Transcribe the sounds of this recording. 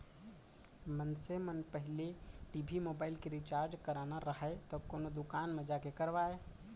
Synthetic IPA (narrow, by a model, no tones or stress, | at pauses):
mənsemənpəɦɪleʈibʱimobailkeɾit͡ʃaɾd͡ʒkəɾanaɾəɦət̪ɔkonod̪ukanmed͡ʒakekəɾʋae